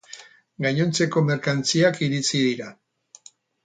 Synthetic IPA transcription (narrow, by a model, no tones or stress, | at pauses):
ɡaɲo̞nt͡se̞ko̞me̞ɾkant͡siakiɾit͡siðiɾa